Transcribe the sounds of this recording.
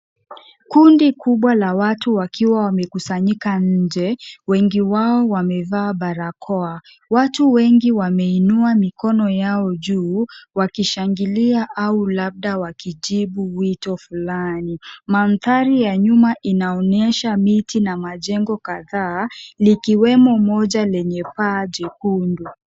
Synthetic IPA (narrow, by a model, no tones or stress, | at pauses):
kundikuɓwalawatuwakiwawamɛkusaɲikaɲ̩d͡ʒɛwɛŋɡiwaɔwamɛvaːɓaɾakʰɔa | watuwɛŋɡiwamɛinuamikɔnɔjaɔʄuːwakiʃaŋɡiliaʔaulab̚ɗawakiʄiɓuwitɔfulaniman̩θaɾijaɲumaʔinaɔnɛʃamitinamaʄɛŋɡɔkaðaːlikiwɛmɔmɔʄalɛɲɛpaʄɛkundu